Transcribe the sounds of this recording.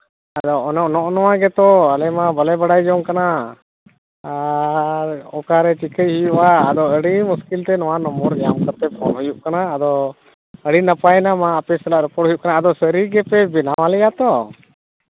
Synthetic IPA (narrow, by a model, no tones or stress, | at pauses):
ad̪ɔnɔʔnɔʔnɔwaɡɛt̪ɔəlɛmabəlɛbaɽajd͡ʒɔŋkana | ɔkaɾɛt͡ʃikʰəjɦujuʔaːd̪ɔəɽimuskilt̪ɛnɔwanɔmbɔɾd͡ʒamkaɾt̪ɛpʰɔnɦujuʔkanaːd̪ɔ | əɽinəpajnamaəpɛsɛlaʔɾɛpɔɾʈ̚ɦujuʔkanaːd̪ɔsəɾiɡɛpɛbɛnawalɛjat̪ɔ